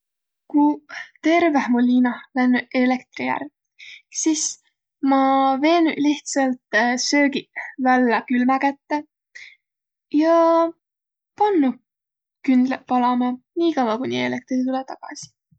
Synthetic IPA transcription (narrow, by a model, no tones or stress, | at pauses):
kut̪e̞rvehmolʲːiːnɑlænːuele̞kt̪rijæ̰r | sis | mɑve̞ːnuliht̪sɑlt̪sø̞ːɡivælːɑkylmækæt̪ːe | jɑ | pɑnːu | kynd̪̥lepɑlɑmeniːkɑwɑkunʲḭelek̚t̪rit̪ulɛt̪ɑɡ̥ɑ̰si̥